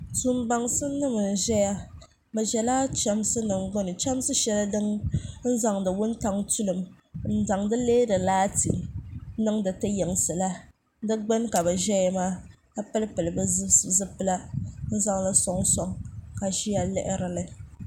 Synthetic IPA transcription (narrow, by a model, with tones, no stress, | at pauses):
su˦mba˨ŋsɨ˦nɨ˦mɨ˨n˨ʒɛ˦ja˦ | bɛ˨ʒɛ˨laː˦t͡ʃɛ˦msɨ˦nɨ˨ŋɡ͡bɔ˦nɨ˨t͡ʃa˦m˦sɨ˦ʃɛ˦la˦dɨ˦ŋn̩˦za˨ŋdɨ˨wʊ˦nta˦ŋtu˦lɨ˨m | n̩˦˨za˨ŋdɨ˦leː˦dɨ˨laː˦tḭ˨mnɨ˦ŋdɨ˨tɨ˦jɛ˨ŋsɨ˨la˦ | dɨ˦ɡ͡bɛ˦nka˨bɛ˨ʒɛ˦jɛ˨maː˦ | ka˦pɨ˦lpɨ˨lɨ˨bɨ˦zɨ˦szɨ˦pɨ˦la˦n̩˦za˦ŋla˦sɔ˦ŋsɔ˦ŋka˨ʒi˦ja˨lɛ̰˦ʔɪ˦ɾɨ˦lɨ˦